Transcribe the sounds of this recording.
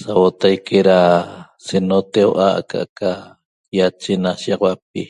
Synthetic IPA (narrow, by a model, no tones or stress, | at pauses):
sawot̪ajkʰeɾa | senot̪ewʔa̰ka̰ʔkʰa | jat͡ʃenasiɑqwap̚i